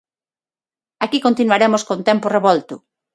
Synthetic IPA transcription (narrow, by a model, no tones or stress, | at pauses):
akikõnt̪inwaɾemoskont̪empʊreβɔlt̪ʊ